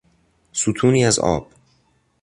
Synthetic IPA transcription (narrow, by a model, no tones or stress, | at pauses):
sut̪ʰuːniːæzɒ̰ːb̥